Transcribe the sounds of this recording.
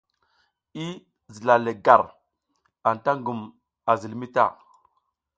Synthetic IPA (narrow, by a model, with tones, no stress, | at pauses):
i˦ | zi˨la˨le˨ɡa˨ɾ | a˨n˨ta˦ŋɡu˨m | a˨zi˨lmi˦ta̰˦˨